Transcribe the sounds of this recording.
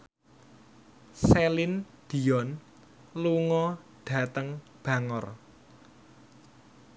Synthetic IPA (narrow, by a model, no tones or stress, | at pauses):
selɪn | d̪̥i̤ɔn | luŋɔɖ̥ä̤t̪əŋ | b̥ä̤ŋɔr